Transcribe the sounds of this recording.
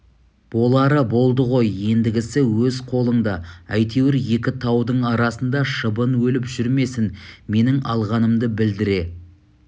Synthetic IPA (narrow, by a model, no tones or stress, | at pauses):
b̥o̞lˠɑɾəbo̞lˠd̪əʁo̞je̞nd̪ɪɡʲɪsɪwɵzqʰo̞lˠəɴd̪ɑæjt̪e̞wɪɾje̞kʲɪt̪ʰɑwd̪əɴɑɾɑsənd̪ɑʃəbənwɵlɪpʒʏɾme̞sɪnme̞nɪŋɑ̰lˠʁɑnəmd̪əbɪld̪ɪɾe̞